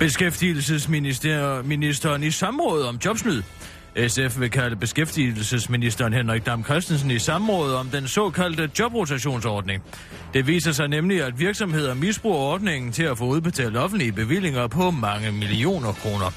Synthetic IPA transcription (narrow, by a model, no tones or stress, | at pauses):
b̥e̝sɡ̥efd̥il̩səsmi̥minisd̥ɐːnisɑ̈mʁɔ̽ːð̩ˠɒ̽mdjɒ̽b̥smyðˠ | esefʋe̝kʰæləb̥e̝sɡ̥efd̥il̩səsminisd̥ɐnɦenʁaɡ̥̚d̥ɑ̈mkʰʁɛsd̥n̩sn̩isɑ̈mʁɔ̽ːð̞ˠɒ̽md̥ensɒ̰̽kʰæl̰d̥əd̥jɒ̽b̥ʁot͡sʰæɕo̝̰ːnsɒːd̥ne̝ŋ | d̥e̝ʋḭːsɐsɑ̈ɪnemliæd̥ʋiɐɡ̥sɒ̽mhe̝ð̞̰ˠɐnmisb̥ʁuːɐɒːd̥̚ne̝ŋn̩t͡sʰe̝læfɔ̽ːuð̞ˠb̥e̝t͡sʰɛ̰ːld̥ɒ̽fn̩d̥liəb̥e̝ʋil̰e̝ŋɐpʰɒ̽mɑ̈ŋəmilio̝̰ːnɐkʰʁo̝ːnɐ